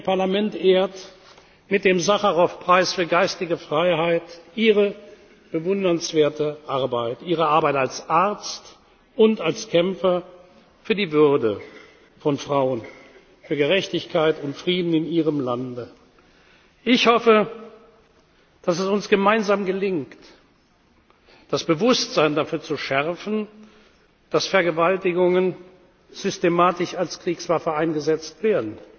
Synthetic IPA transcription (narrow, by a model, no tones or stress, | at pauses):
pʰaɐlamɛntʔeːɐt | mɪt̚d̥eːmzaχɐʁɔfpʁ̥aɪsfyːɐɡaɪstɪɡəfʁ̥aɪɦaɪtʔiːʁə | b̥əvʊndɐnsv̥eːɐtəʔaɐbaɪtʔiːʁ̞əaɐbaɪtalsʔaɐt͡st | ʔʊntalskʰɛmfɐ | fyːɐdiːvʏɐdə | fɔnfʁ̥aʊən | fyːɐɡəʁɛçtɪçkʰaɪtʊntfʁ̥iːdn̩ɪniːʁ̞əmlandə | ʔɪçhɔfə | d̥asɛsʊnsɡ̥əmaɪnzaːmɡəlɪŋkt | d̥asb̥əvʊstz̥aɪndafyːɐt͡suʃɛʁfn̩ | d̥asfɛɐɡəvaltɪɡʊŋən | z̥ʏstemaːtɪʃalskʁ̥iːksv̥afɐaɪnɡəzɛt͡stv̥eːɐdn̩